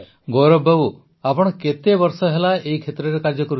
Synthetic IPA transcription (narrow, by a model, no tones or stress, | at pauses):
ɡoɾɔbʱawu | apɔɽ̃ɔket̪ebɔɾsɔɦelaeikʰet̪ɾɔɾekaɾd͡ʒɔkɔɾu